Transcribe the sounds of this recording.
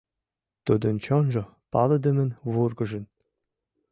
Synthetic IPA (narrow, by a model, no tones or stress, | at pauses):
t̪ud̪ɤnt͡ɕonʒɤ̆ | pɑlɤ̆d̪ə̆mə̆nβurɡɤ̆ʒə̆n